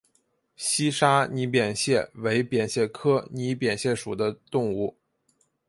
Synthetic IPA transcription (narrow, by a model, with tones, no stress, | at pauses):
ɕi˥ʂa˥ni˧˥p̬jɛ˨˩nɕjɛ˥˩we˧˥ɪpjɛ˨˩nɕjɛ˥˩kʰɤ˥ni˧˥pjɛ˨˩nɕjɛ˥˩ʂu˨˩d̪ə˦t̪ʊ˥˧ŋu˥˩